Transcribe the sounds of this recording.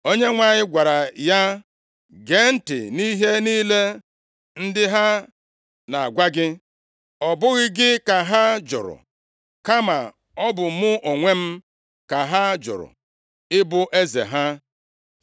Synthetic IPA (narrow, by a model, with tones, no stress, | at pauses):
o˦ɲe˦ŋʷa˨ɲɪ˦ɡʷa˨ɾa˨ja˦ | ɡe˨˦n̩˦tɪ̰˨ni˦ɦe˦niː˦le˦ | n̩˦dɪ˦ɦa˦ | na˨a̰˨ɡʷa˦ɡɪ˦ | ɔ˨bʊ˦ɣɪ˦ɡɪ˦ka˨ɦa˦d͡ʒʊ̰˨ɾʊ̰˨ | ka˦ma˨ | ɔ˦bʊ˨˦mʊ˦ʔo˨ŋʷe˦m̩˦ | ka˨ɦa˦d͡ʒʊ̰˨ɾʊ̰˨ | ɪ˦bʊ˦ʔe˦zḛ˨ɦa˦